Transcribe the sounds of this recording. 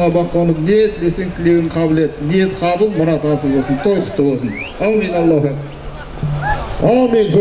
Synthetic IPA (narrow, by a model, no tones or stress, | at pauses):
ɑbɑqːonəpnet̪ʰleseŋkʲʰɪleɡʲɪɴqʰɑbɪlet̪net̪qʰɑbəlˠmʊɾɑt̪ɑsəlˠbosənt̪ʰojqʰə̥t̪ʰːəbolˠsənawmenɑlˠːɑɦə | ɑmeŋkʰʲɵ